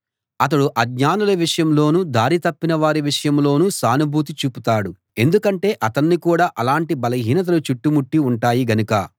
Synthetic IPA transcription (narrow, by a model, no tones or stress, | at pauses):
ɐt̪̬ɐɽuʔɐɡɲaːnulɐʋiʂɐjɐmlo̞ːnuːd̪aːɾit̪ɐpːinɐʋaːɾiʋiʂɐjɐmlo̞ːnuːsaːnubʱuːt̪̬it͡ʃuːput̪aːɽu | e̞nd̪ukɐɳʈe̞ːʔɐt̪ɐnːikuːɽaːʔɐlaːɳʈibɐlɐɦiːnɐt̪̬ɐlut͡ʃuʈːumuʈːiuɳʈaːjiɡɐnukɐ